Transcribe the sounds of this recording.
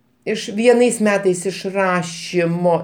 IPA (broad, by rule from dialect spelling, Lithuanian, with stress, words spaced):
ˈɪʃ ʋʲiɛˈnɐɪs ˈmʲæːtɐɪs ɪʃ ˈrɑːʃʲɪmoː